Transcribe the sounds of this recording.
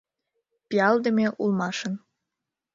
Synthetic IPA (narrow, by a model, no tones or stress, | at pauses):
piɑld̪ə̆mʲeʔulmɑʃən